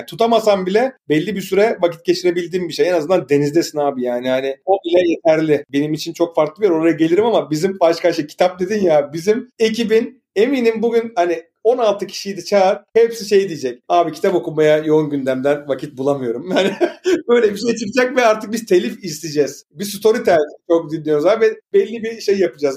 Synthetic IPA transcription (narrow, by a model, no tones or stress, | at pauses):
t̪ʰut̪ʰamasambilʲɛbɛlʲːibisyɾɛvaci̥t̪̚ce̞t͡ʃʰiɾe̞bilʲd̪iːnbiʃejenazɯnd̪and̪e̞nizd̪esinaːbijaːnihanɪo̞bilʲɛje̞t̪ʰæɾlʲɪbe̞nimit͡ʃʰint͡ʃʰo̞kfaɾklˠɯbijɾo̞ɾajaɟe̞lʲiɾimamabizimbaʃkaʃɯcʰi̥t̪ʰap̚d̪e̞d̪injabizime̞cibin | e̞miːnimbuɡynhani | o̞nalˠt̪ʰɯcʰi̥ʃijd̪ɛt͡ʃʰaːɾhepsiʃe̞jd̪ijid͡ʒɛc̚aːbicʰi̥t̪ʰapo̞kumajajo̞unɟynd̪æmd̪ænvacʰit̪̚bulˠamɯjo̞ɾumjanibøjlʲɛbiʃejt͡ʃʰɯkd͡ʒɛcvɛaɾt̪ʰɯk̚biz̥t̪ʰelʲifist̪id͡ʒɛz̥bisut̪ʰo̞ɾit̪ʰat͡ʃʰo̞k̚d̪inlːijo̞zavɛbɛlʲːibiʃejjapɯd͡ʒaz